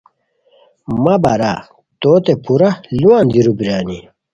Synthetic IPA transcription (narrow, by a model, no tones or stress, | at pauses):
mɐbaɾa̰ | t̪oːt̪epuɾɐluãːnd̪iɾubiɾaːni